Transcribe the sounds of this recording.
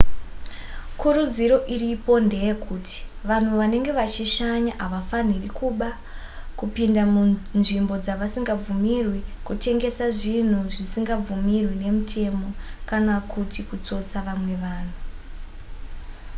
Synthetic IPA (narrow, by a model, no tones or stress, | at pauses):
kuɾud͡ziɾo̞ʔiripo̞nde̞jekʰuːtʰi̥ | ʋan̤uʋane̞ŋɡe̞ʋat͡ʃiʃaɲaʔɦaʋafanirikuɓa | kupindamunʐimbo̞d͡zaʋasiŋɡab͡vumirwikute̞ŋɡe̞saʐin̤uʐisiŋɡab͡vumirwine̞mutʰe̞mo̞kanakutikut͡so̞t͡saʋamwe̞ʋaːn̤u